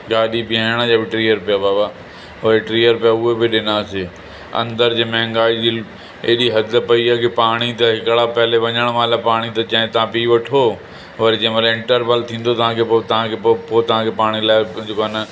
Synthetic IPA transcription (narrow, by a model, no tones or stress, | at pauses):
ɠaːɗibɪaɽ̃ad͡ʑaːbɪʈɾiːjəɾpijabaːba | ɦeʈɾiːjəɾpijaʊɦebɪɗɪnaːse | ɐ̰̃nd̪əɾd͡ʑeːmɐ̃ɦŋɡaːid͡ʑiː | eɗiɦɐd̪ʱpɐiakʰepaːɽ̃it̪ɐɦɪkɭapɐɦɪleʋɐɲəɽ̃mãːlapaːɽ̃it̪ɐt͡ɕɐ̃ɦẽt̪ɐãpiːʋɐʈʰo | ʋɐɾed͡ʑɐ̃ːmɐɾɪ̃ɳʈəɾpəlt̪ʰĩːn̆d̪ot̪ɐʋ̤ãkʰet̪ɐʋãkʰeppoːt̪ɐʋ̤ãkʰeːpaːɽ̃ilaːɪd͡ʑekonə